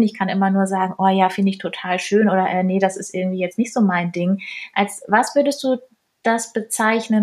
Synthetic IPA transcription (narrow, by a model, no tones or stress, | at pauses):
nɪçkʰanʔɪmɐnuːɐzaːɡŋ̩ʔoːjaːfɪndəɪçtʰotʰaːlʃøːnʔoːɾɐʔɛːnədasɪstʔɪɐɡŋ̩tv̥iːjɛt͡stnɪçtz̥oːmaɪndɪŋʔalsvasv̥ʏɐdəst̚d̥uː | d̥asb̥ət͡saɪçnən